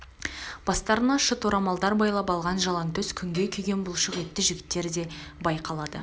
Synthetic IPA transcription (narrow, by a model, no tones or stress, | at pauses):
b̥ɑst̪ɑɾənɑʃət̪ʰoɾɑmɑlˠd̪ɑɾbɑjlˠɑpɑlˠʁɑnʒɑlˠɑŋt̪ʰɵzkʲʰʏŋɡʲe̞kʲʰʏjɡʲe̞nbʊlˠʃəʁe̞t̪ːɪʒʏɡʲɪ̥t̪ːe̞ɾd̪e̞bɑjqʰɑlˠɑd̪ə̰